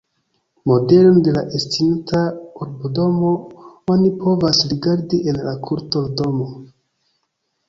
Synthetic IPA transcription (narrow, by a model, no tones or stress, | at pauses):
mo̞de̞londe̞laʔestintʰauɾbodo̞mo̞onipo̞vasɾiɡaɾdiʔenlakʰuɾtodo̞mo